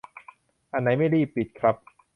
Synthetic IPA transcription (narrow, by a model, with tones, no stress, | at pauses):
ʔa˧nːa˦˥jma˥˩jɾiː˥˩pːi˨˩t̪̚kʰɾa˦˥p̚